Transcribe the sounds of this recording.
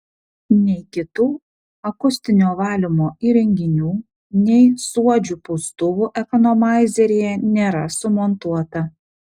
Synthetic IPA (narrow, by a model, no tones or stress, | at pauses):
nʲɛɪkʲɪt̪uː | ɐkʊsʲt̪ʲɪnʲoːʋɑːlʲɪmoːiɾʲɛŋʲɡʲɪnʲuː | nʲɛɪsuɔd͡ʒʲuːpʊst̪ʊʋuːʔɛkɔnomɑˑɪzʲɛɾʲeːjɛnʲeːɾɐsʊmɔnt̪uɔt̪ɐ